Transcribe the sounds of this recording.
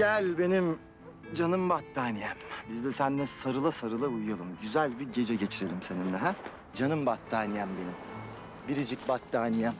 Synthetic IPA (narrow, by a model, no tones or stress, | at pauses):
ɟælʲbe̞nim | d͡ʒanɯmbat̪ʰːaːnijɛmbizd̪ɛsænd̪ɛsaɾɯlˠasaɾɯlˠaujujalˠɯmɟyzælʲbiɟe̞d͡ʒɛɟe̞t͡ʃʰiɾe̞lʲimse̞nind̪ɛɦæ | d͡ʒanɯmbat̪ʰːaːnijɛmbe̞nim | biɾid͡ʒic̚bat̪ːaːnija